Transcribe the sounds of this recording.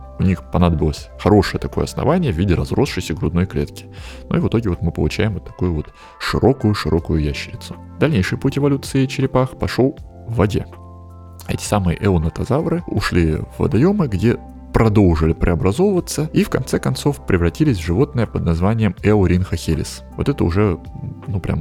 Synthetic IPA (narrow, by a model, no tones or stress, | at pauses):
ʊnʲixpɐnad̪əbʲɪlˠəsʲxɐɾo̞ʂɨjət̪ɐko̞jə̰ɐsnɐ̰vanʲɪjəvʲidʲɪɾɐzro̞sʂɨsʲəɡɾʊd̪no̞jklʲe̞̰t̪kʲɪ̥nṵivɨt̪o̞ɡʲɪvo̞t̪mɨpə̰lˠʊt͡ɕæjɪmvot̪ːɐ̥kujʊvo̞t̪ | ʂɨɾʔo̞kʊjʊʂɨɾʔo̞kʊjʊjæɕːɪɾʲɪt̪sʊ̥ | d̪ɐlʲnʲejʂɨjputʲɪvɐlʲut̪sɨɪt͡ɕɪɾʲɪpaxpɐʂo̞lˠ | vːɐdʲe̞ | ɛ̰tʲɪ̥samɨjə̰ʔɛʊnət̪ɐzavɾɨʊ̰ʂlʲivːə̰d̪ɐjo̞mɨɡdʲe̞ | pɾɐd̪o̞lˠʐɨlʲɪpɾʲʔɪɐbɾɐzo̞vəvət̪səifkɐnt̪sɛkɐnt̪so̞fpɾʲɪvrɐtʲilʲɪsʲvʐɨvo̞t̪̚nɨjəpəd̪̚nɐzvanʲɪjəmɛʊɾʲinxəxʲelʲɪ̰s | vot̪ɛt̪əʊ̰ʐɛnupɾʲʔa̰m